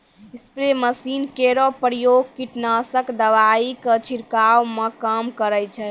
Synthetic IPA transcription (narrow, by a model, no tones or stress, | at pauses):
ispɾeməsinkeɾɔpəɾijoɡ̚kiʈnasəkd̪əʋaikət͡ʃʰiɾkawmekəmkəɾət͡ʃʰɛ